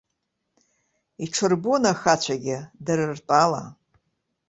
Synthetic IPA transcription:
iʈ͡ʂʰɨrbonaxat͡ɕʷʰaɡʲɪdɨɾɨrtʼala̰

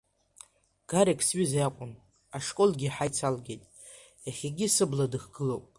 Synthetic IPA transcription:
ɡ̥aɾekʰʼsɥizjakʷʼʊn | aʂkʼo̞lɡʲiħajt͡sʰalɡʲejtʼ | jaχʲeɡʲisɨbladɨχɡ̥ɨlowpʼ

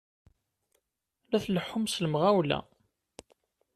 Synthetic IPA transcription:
læθləħːʊmsləmʁæwlæ̰

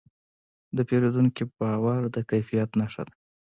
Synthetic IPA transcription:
d̪əpeɾod̪uŋkibɑwaɾd̪əkajfijat̪naʂa̰d̪a

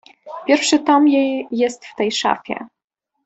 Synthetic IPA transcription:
pʲjɛɾfʂɘt̪amjɛjːɛst̪ft̪ɛjʂa̰fʲjɛ̰

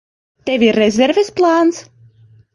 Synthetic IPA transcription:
t̪ɛvʲirɛzʲɛɾvʲesplˠaːns

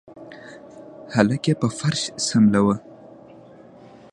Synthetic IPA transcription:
halakepəfaɾʃsamlawə

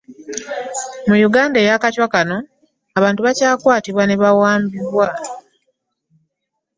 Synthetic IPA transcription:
mujuɡaːndejakacwakano̞ | aβaːntuβacaːkwaːtiβwaneβawaːmbiβwa

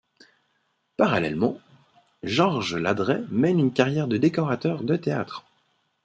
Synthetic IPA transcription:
paʁalɛ̰lmɑ̃ | ʒɔʁʒlad̪ʁɛmɛnynkaʁjɛʁd̪əd̪ekɔʁat̪œʁd̪ət̪ea̰t̪χ

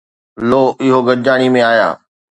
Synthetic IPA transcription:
loːʔɪɦoɡɐɾd͡ʑaːɽ̃imẽaːja̰ː

